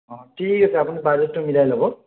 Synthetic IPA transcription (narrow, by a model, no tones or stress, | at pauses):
ɔ̃ʈʰikasʰɛapunibad͡ʒetːʊmilajlɔbɔ